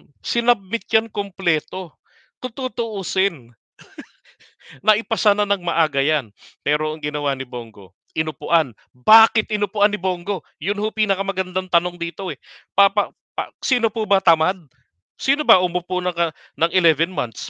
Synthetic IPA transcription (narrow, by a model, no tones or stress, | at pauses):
sɪnɐb̚mɪt̪̚t͡ʃjankomplɛːt̪o̞ | k̪ʊt̪uːt̪ʊʔuːsɪn | ɐʔɪpɐsananɐŋmɐʔaːɡɐjanpɛːɾoʔɐŋɡɪnɐwanɪboŋɡo̞̰ | ʔɪnʊpʊʔan | baːkɪt̪ʔɪnʊpʊʔanːɪbo̞ŋɡo̞ | jʊnhopiːnɐkɐmɐɡɐnd̪ant̪ɐno̞ŋd̪iːt̪o̞ʔɛpapɐ | pasiːno̞pubɐt̪ɐmad̪̚ | siːnobɐʔʊmoponɐ | nɐŋɪlɛvɛnmant̪s